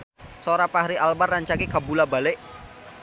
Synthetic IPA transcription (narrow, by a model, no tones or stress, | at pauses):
soɾapahɾiʔalbarːaɲt͡ʃakikabulabalɪʔ